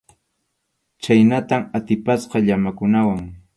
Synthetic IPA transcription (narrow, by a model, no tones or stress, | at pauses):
t͡ʃajnat̪amat̪ɪpasqɑʎamakʊnawaŋ